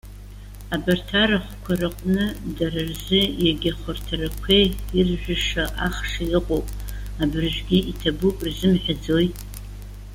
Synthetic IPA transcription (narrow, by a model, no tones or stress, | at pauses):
abartʰaraχʷkʷʰarɨqʷʼnɨdararzɨjaɡʲaχʷʊrtʰarakʷʰejirʒᶣʷɪʂaʔaχʂaiqʼowpʼ | abɨrʒʷᶣɡʲiitʰabupʼrzɨmħʷᶣad͡zojtʼ